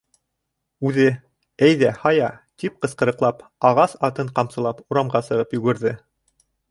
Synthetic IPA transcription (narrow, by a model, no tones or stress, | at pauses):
ʉðɘ | æjðæhɑjɑt̪ip̚qɤ̆sqɤ̆ɾɤ̆qlˠɑpɑʁɑsɑt̪ɤɴqɑmsɤ̆lˠɑpuɾɑmɢɑsɤ̆ʁɤpjɵ̆ɡɘ̆ɾðɘ